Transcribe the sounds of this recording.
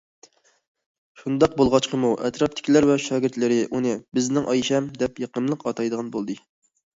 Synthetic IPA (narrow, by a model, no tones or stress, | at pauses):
ʃund̪ɑq̚bolˠʁɑt͡ʃqʰəmuʔɛt̪ɾɑp̚t̪ʰɪ̥kʲʰilæɾvɛʃɑːɡʲɪɾt̪lɪɾɪʔunɨbɪznɪŋʔɑjiʃɛmd̪ɛpjeqəmlˠəqɑt̪ʰɑjd̪əʁɑnbolˠd̪ɨ